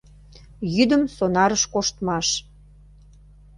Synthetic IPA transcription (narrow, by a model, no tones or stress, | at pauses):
jyd̪əmsonɑɾəʃkoʃt̪mɑʃ